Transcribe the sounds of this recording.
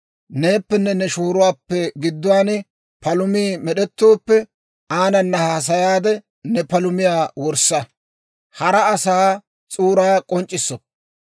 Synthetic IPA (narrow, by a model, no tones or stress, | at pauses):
ne̞ːpːɛnːɛnɛʃoːɾʊwaːpːɛɡɪd̪ːʊwaːn | pɐlʊmiːmɛɗɛt̪ːo̞ːpːɛ | aːnɐnːɐhaːs̬ɐjaːd̪ɛ | nɛpɐlʊmɪjaːwɔɾsːɐ | hɐɾɐːsaː | t͡sʼuːɾaːkʼɔnt͡ʃʼːɪsːɔ